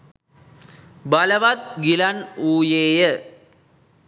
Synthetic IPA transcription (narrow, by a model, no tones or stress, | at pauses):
bɐlɐʋɐt̪̚ɡilɐnuːjeːjə